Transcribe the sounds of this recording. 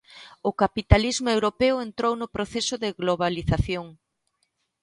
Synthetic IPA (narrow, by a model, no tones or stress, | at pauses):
ʊkapit̪alizmʊewɾopeʊent̪ɾownʊpɾoθesʊðɪɣloβ̞aliθaθjoŋ